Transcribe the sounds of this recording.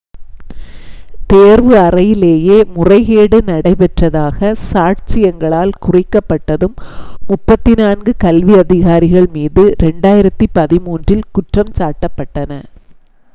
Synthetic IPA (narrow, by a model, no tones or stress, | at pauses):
t̪eːɾʋɯɐrɐjɪleːjeːmʊrɐɪɣeːɽɯnɐɽɐɪpɛʈrɐðaːɣɐsaːʈt͡ʃɪjɐŋɡɐɭaːlkʊrɪkːɐpːɐʈːɐðɯmːʊpːɐt̪ːɪnaːnɡɯkɐlʋiɐðɪɣaːɾɪɣɐɭmiːðɯɾɛɳɖaːjɪɾɐt̪ːɯpɐðɪmuːndrɪlkʊʈrɐmt͡ʃaːʈːɐpːɐʈːɐnɐ